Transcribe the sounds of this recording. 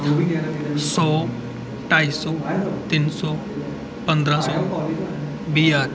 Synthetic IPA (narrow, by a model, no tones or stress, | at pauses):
sɔː | ʈaːisɔːt̪ɪnsɔː | pə̃nd̪ɾãsɔː | biːjaː